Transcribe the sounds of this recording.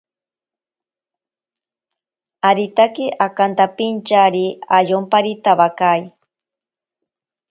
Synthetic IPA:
aɾit̪akiʔakant̪apint͡ʃaɾiajompaɾit̪aβakaj

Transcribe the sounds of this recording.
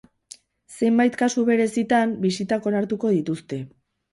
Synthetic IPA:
se̞mbajt̪kasuβe̞ɾe̞sit̪ambisit̪ako̞naɾt̪uko̞ð̞it̪ust̪e̞

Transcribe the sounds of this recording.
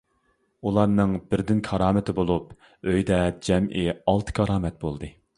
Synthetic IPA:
ulˠɑɾnɨŋbɪɾd̪ɪnkʰɑɾɑːmɪt̪ʰɪbolˠup | øjd̪ɛd͡ʒɛmʔɪɑlˠt̪ʰɨ̥kʲʰɑɾɑːmɛt̪̚bolˠd̪ɨ

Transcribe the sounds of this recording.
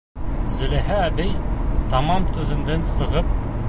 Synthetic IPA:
zɵ̆læɦææbɘjt̪ʰɑmɑmt̪ʰɵðɘ̆nd̪ɘnsɤ̆ʁɤp̚

